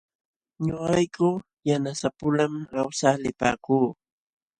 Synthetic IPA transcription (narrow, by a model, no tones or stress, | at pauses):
ɲoɢɑjkʊ | janasapʊlamawsalɪpa̰ːkuː